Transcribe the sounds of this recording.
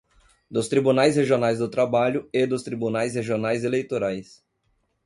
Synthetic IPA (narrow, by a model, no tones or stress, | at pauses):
d̪ʊst̪ɾibunajsheʒionajzd̪ʊt̪ɾabaʎʊed̪ʊst̪ɾibunajsheʒionajzelejt̪oɾajs